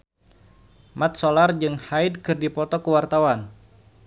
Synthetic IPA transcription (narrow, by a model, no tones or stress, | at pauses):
mat̪̚solard͡ʒɨŋhaɪdkɨrdipɔt̪ɔkəwart̪awan